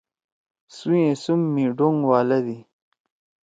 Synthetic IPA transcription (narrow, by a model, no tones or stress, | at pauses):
sujẽsumːiɖuŋɡwaːlɐd̪i